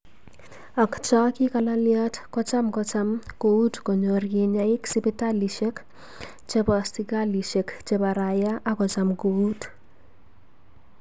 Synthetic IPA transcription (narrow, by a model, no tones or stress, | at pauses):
akt͡ʃɔkikalaljatkɔt͡ʃamkɔt͡ʃamkoutkoɲorɡiɲaɪksipitaliʃek | t͡ʃepastikaliʃekt͡ʃepaɾajaʔakɔt͡ʃamkout